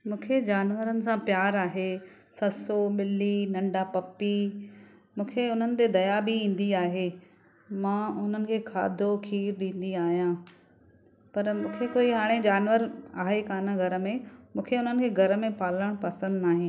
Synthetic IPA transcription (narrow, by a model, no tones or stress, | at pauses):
mũːkʰed͡ʑaːnʋəɾənɪ̆sãpjaːɾaːɦe | sɐsoɓɪlinɐ̃ɳɖapɐpːi | mũːkʰeʊn̤ənɪ̆t̪ed̪ɐjabʱiĩːn̆d̪iaːɦeː | mãːʊn̤ənɪ̆kʰeːkʰa̰ːd̪ʱokʰiːɾɗĩːn̆d̪iaːɦijã | pɐɾmũːkʰekoːiɦaːɽ̃ẽd͡ʑaːnʋəɾaːɦekaːnaɡʱɐɾəmẽmũːkʰeʊn̤ənɪ̆kʰeːɡʱɐɾəmẽpaːləɽ̃pɐsə̃nd̪naːɦẽː